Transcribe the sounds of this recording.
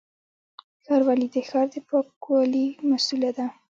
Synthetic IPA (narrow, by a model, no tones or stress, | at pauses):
xɑɾwalid̪əxɑɾd̪əpɑkwɑlimasulad̪a